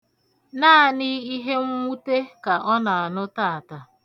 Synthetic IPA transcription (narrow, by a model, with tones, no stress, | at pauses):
naː˦˨ni˦i˦ɦe˦ŋ̩˦mu˦te˦ka˨ʔɔ˦na˨a˨nʊ˦ta˦a˨ta˨